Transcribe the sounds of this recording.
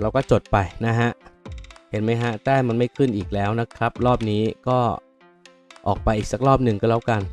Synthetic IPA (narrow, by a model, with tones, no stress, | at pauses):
ɾa˧wkɔː˥˩t͡ɕo˨˩t̪̚pa˧jna˦˥ɦa˦˥ʔhe˩˦nma˦˥jɦa˦˥t̪ɛː˥˩ma˧nma˥˩jkʰɯ˥˩nʔiː˨˩k̚lɛː˦˥wna˦˥kʰɾa˦˥p̚ɾɔː˥˩p̚niː˦˥kɔː˥˩ | ʔɔ̰ː˨˩k̚pa˧jʔiː˨˩sa˨˩k̚ɾɔː˥˩p̚nɯ˨ŋkɔː˥˩lɛː˦˥wka˧n